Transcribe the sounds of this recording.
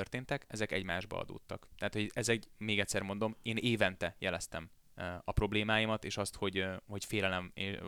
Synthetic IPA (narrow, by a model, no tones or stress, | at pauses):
ørt̪eːnt̪ɛkɛzɛkɛ̰ɟmaːʒbɒ̰ɒ̰d̪o̰ːt̪ːɒkt̪ɛɦaːt̪ho̞ɟɛzɛɡmeːɡɛctʲsɛrmo̞n̪d̪o̞meːneːvɛnt̪ɛjɛlɛst̪ɛm | ɒpro̞bleːmaːjimɒt̪eːʃɒst̪ho̞ɟhocfeːlɛlɛme